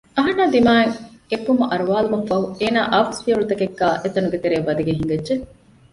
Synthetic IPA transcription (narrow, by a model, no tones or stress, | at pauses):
ɐɦɐnːaːd̪imaːeŋepːumɐʔɐɾuʋaːlumɐfːɐɦueːna̰ːʔɐʋɐsfiɐɭut̪ɐkekːaːʔet̪ɐnuɡet̪eɾeːʋɐd̪ɐɡeɦiŋɡɐdʒe